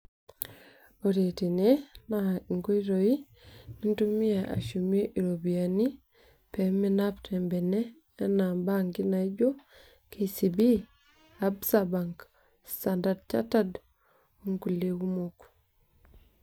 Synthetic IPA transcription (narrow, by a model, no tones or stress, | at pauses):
oɾetinenaiŋɡuiɾoi | nintumijaʔa̰ʃumoʔiɾobijani | peminabtembeneː | nambaŋɡinaiɟo | kʰesibi | absabaŋk | sandadt͡ʃa̰tad | uŋɡuleɡumok